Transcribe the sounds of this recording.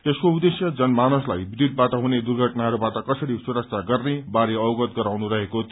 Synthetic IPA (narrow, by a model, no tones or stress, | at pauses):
t̪eskoud̪esjʌd͡zʌnmanoslajbid̪id̪̚baʈʌɦuned̪urɡʱʌʈnaɦʌɾubaʈʌkʌsʌɾisuɾʌk̚t͡sʰaɡʌrnebaɾeʌwɡʌt̪ɡʌɾawnuɾʌɦekot̪